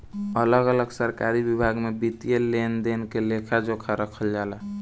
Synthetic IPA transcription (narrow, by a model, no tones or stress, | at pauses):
ələɡələɡsəɾkaɾibibʱaɡmebit̪ijelend̪enkelekʰad͡ʒokʰaɾəkʰəld͡ʒala